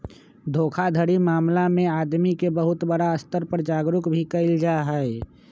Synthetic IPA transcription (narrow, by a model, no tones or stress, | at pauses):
d̪ʱoːkʰad̪ʱəɽimaːmlamẽaːd̪mikebəɦʊt̪bəɽaəst̪əɾpəɾd͡ʒaːɡɾʊkbʱikəɪld͡ʒaɦɛɛ